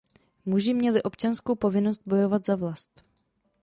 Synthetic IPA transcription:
muʒɪmɲɛlɪʔo̞pt͡ʃanskowpo̞vɪno̞st̪̚bo̞jo̞vat̪zavlast̪

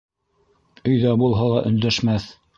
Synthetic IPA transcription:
ɵ̆jðæbulˠɦɑlˠɑʔɵ̰̆nd̪æʃmæθ

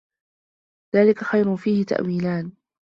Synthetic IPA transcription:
ðaːlɪkaxajɾʊfiːhɪt̪a̰ʔwiːlaːn

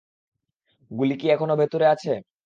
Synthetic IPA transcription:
ɡulikiɛkʰonobʱet̪uɾeat͡ɕʰe

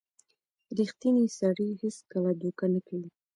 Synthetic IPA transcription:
ɾixt̪inisaɽiheskəlad̪ukanəkɽi

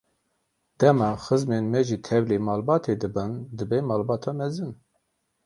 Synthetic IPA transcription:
d̪̥ɛmɑːxɨzmenmɛʒit̪ʰɛvleːmɑːlbɑːt̪ʰeːd̪ɨbɨnd̪ɨbɛmɑːlbɑːt̪ʰɑːmɛzɨn

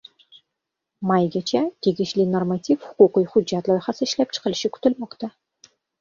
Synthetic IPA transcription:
mɑjɡʲæt͡ʃæt̪ʲeɡɘ̆ʃlʲinormat̪ʲifhʊ̥quqɤjχʊːɑt̪lˠɑjχɑsəɪʃlæp̚t͡ʃʰə̥qə̆l̆ʃɪkʉ̥t̪ɘ̆lmoqt̪ɑ

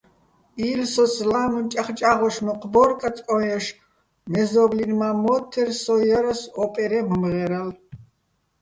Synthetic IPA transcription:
ilsɔslamənt͡ʃʼaχt͡ʃʼaʁɔʃmɔqʰʼbɔɾkʼatt͡sʼɔjɔʃ | mɛzɔblinmamɔt̪ʰːɛrsɔjɔɾasɔpʼɛɾɛməmʁɛɾal

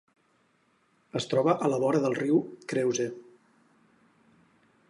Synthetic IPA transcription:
əst̪ɾɔβəʔələβɔɾəðəlˠriwkɾewze

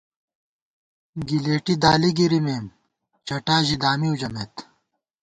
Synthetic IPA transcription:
ɡileːʈid̪aːliɡiɾimeːm | t͡ɕɐʈaːʑid̪aːmiud͡ʑɐmet̪

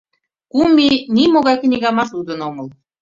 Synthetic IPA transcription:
kuminimoɣɑjknʲiɣɑmɑʃud̪ənoməl

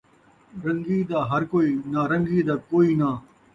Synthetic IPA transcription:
ɾɐ̃ŋɡiːd̪aːɦɐɾkoːiːnaːɾɐ̃ŋɡiːd̪aːkoːiːnaː

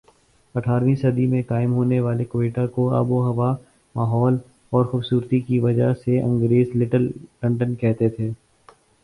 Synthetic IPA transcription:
ɐʈʰaːɾʋĩsɐd̪imẽkaːɪmɦoːneʋaːlekoeːʈakoa̰ːboɦɐʋa | maːɦɔːl | ɔːɾxʊbsuːɾt̪ikiʋɐd͡ʒaɦseɐ̰̃ŋɡɾeːzlɪʈəlkɐ̃ɳʈənkɛɦt̪et̪ʰeː

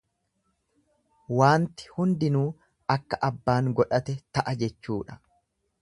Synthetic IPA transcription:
waːnt̪ɪ̥hʊnd̪ɪnuː | ɐkːɐʔɐbːaːŋɡɔᶑɐt̪ɛt̪ɐʔɐd͡ʒɛt͡ʃːuːᶑɐ̥

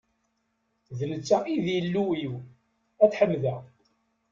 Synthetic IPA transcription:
ðələt͡sːæiðjəlːuiw | æt͡sħəmːðæ

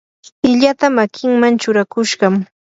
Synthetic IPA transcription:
ɪʎat̪amakʰɪŋmant͡ʃʊɾakʊʃɢɑm

